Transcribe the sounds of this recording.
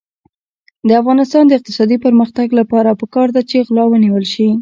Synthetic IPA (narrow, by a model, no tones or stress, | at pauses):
d̪əafɣɑnɪst̪ɑnd̪əɪq̚t̪ɪ̥sɑd̪ipəɾməxt̪aɡlapɑɾapəkɑɾd̪at͡ʃeɣlɑwəniwəlʃi